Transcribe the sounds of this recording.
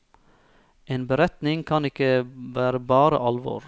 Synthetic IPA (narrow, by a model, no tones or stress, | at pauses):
ʔeːnbəɾɛt̪nɪŋkʰɑnɪkəʋæːɾəbɑːɾə̰ʔɑlʋo̰ːɾ